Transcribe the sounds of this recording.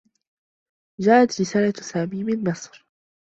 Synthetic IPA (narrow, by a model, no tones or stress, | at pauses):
d͡ʒaːʔat̪ɾɪsaːlasaːmiːmɪnmɪsˤɾ